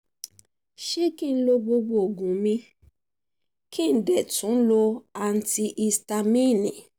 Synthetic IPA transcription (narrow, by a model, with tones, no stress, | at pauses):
ʃe˦kĩ˦˨n̩˦lo˧bo˧bo˧o˨ɡũ˨mĩ˧ | kʰi˦˨dɛ˨tũ˨˦lo˧a˨n̩˦ti˧ʔi˧sta˧mĩ˦˨nĩ˨